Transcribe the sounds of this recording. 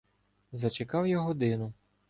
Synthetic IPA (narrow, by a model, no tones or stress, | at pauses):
zɐt͡ʃekɑwjɔɦɔd̪ɪnʊ